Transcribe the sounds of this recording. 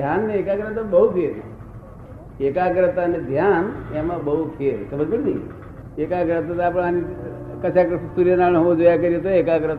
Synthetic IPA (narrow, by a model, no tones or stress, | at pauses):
d̪ʱjanːeekakɾət̪abəɦupʰeɾ | ekakɾət̪aned̪ʱjanemãbəɦupʰeɾsəməd͡ʒbəɽd̪ḭ | ekakɾət̪at̪apəɽ̃anikət͡ʃʰakɾssuɾjənaɭõɦoõd͡ʒojakəɾit̪oekakɾət̪